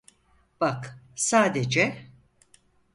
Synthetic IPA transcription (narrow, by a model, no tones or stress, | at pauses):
b̥aksaːd̪ed͡ʒɛ